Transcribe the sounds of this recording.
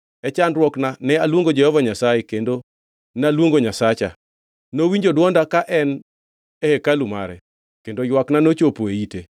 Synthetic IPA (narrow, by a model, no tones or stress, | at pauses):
ɛt͡ʃandrwɔknanɛalwoŋɡod͡ʒɛhɔvaɲasajekendo | nalwoŋɡoɲasat͡ʃa̰ | nowiɲd͡ʒodwɔndakaʔɛn | ɛhekaluma̰ɾɛ̰ | kendojwaknanot͡ʃopoeite